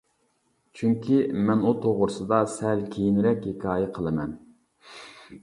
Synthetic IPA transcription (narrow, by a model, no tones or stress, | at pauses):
t͡ʃʰyŋkʲʰimɛnut̪ʰoʁʊɾʊsɨd̪ɑsɛlkʲʰejinɾɛkʲhekʰʲɑːjɛqʰəlˠɨmɛn